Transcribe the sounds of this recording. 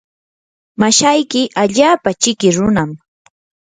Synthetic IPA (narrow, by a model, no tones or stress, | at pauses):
maʃajkɪʔaʎaːpat͡ʃɪkɪɾʊnam